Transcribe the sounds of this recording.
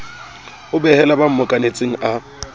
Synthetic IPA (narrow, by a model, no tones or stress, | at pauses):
ʊbɛhɛlabam̩mʊkʼanet͡sʼɪŋ̩ʔa